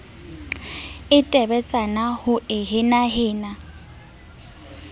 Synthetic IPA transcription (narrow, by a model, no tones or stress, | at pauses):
ɪtʼɛbɛt͡sʼanahʊʔɪɦɪnaɦɪːna